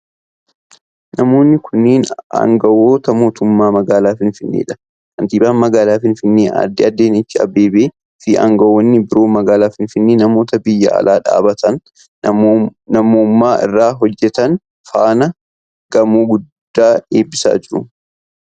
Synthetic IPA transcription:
nɐmo̞ːnːɪkʰʊnːeːnɐ̰ŋɡɐwo̞ːt̪ɐmo̞ːt̪ʊmːaːmɐɡaːlaːfɪnfɪnːḛːᶑɐ̥ | kɐnt̪iːbaːnmɐɡaːlaːfɪnfɪnːeːɐ̰d̪ːɪɐd̪ːeːnɪt͡ʃːɪɐ̰beːbeː | fɪʔɐ̰ŋɡɐwːɔnːɪbɪɾo̞ːmɐɡaːlaːfɪnfɪnːeːnɐmo̞ːt̪ɐbɪjːɐ̰ʔɐ̰lʔaːᶑa̰ːbɐt̪ʰɐn | nɐmoːmːaːʔɪ̰rːaːɦɔd͡ʒːɛt̪ɐn | faːnɐ | ɡ̥ɐmuːɡʊd̪ːaːeːbːɪsa̰ːd͡ʒɪɾʊ

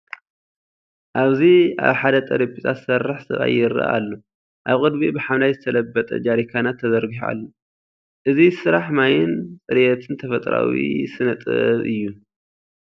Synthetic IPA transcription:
ʔaβzia̰βħad̪ɐt̪ʼɐɾibit̪ʰat̪sɐrːaħsɐ̰βa̰jːɪɾa̰ʔa̰lːo | ʔaβkʼɨd̪bibɨħamlajzɨt̪ʰɐlɐbːɐt̪ʼɐ̰d͡ʒaɾikʰanat̪ʰːɐzɐɾɡiha̰lːo | ʔɨzisɨɾaħmajɪnsʼɨɾjɛt̪ʰɨnt̪ʰɐfɐt̪ʼɾa̰wḭsɨnɐt̪ʼɨ̰βʔɨjːu

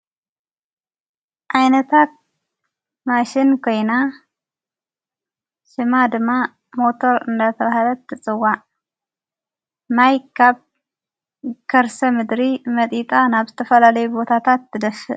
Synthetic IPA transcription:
ʔajnɐt̪ʰat̪̚ | maʃɪnkʰo̞jna | ʃɨmad̪ɨmːa | mo̞t̪ʰo̞ɾɨnd̪at̪ʰɐβahlɐt̪ʰːɨt͡sʼɨwːaʔ | majkʰaβ | kʰɐɾsɐmɨd̪ɾimɐt̪ʼit̪ʼanaβzɨt̪ʰɐfɐlalɐjubbo̞t̪ʰat̪ʰat̪ːɨd̪ɐfɨ

